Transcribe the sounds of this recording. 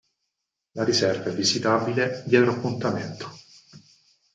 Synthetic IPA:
laɾisɛrvaevizit̪aːbiled̪jɛd̪elapːunt̪ament̪o̥

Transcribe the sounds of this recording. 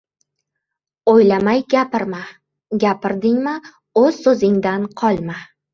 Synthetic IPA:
ojlamajɡʲapɪɾma | ɡʲapʰɪɾd̪ɪŋma | ɵz̥sɵzɪŋd̪anqʰɒlˠma

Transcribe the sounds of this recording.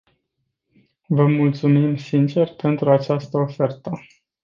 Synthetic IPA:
vəmult̪sumimsint͡ʃe̞rpe̞nt̪ɾuat͡ʃast̪əofe̞rt̪ə

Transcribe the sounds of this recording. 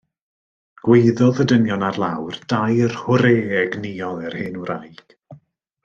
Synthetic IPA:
ɡ̥weɨðɔðədənjɔnarlˠawrd̥ajrhʊɾeːɛɡniɔlˠɛrhɪnuɾajɡ̥

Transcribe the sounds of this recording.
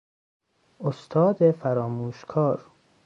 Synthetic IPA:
ost̪ʰɒːd̪efæɾɒːmuːʃkʰɒːɾ

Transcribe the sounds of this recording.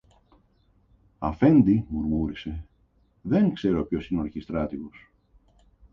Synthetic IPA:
ɐfe̞nd̪imuɾmuɾise̞ | ðe̞ŋkse̞ɾo̞pço̞sinoɐɾçist̪ɾɐt̪iɣo̞s

